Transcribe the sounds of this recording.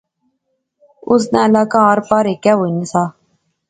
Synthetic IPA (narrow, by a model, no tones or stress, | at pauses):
ʊs̬nɛ̃ːlaːkãːaːɾpaːɾeːkɛːɦoːinisaː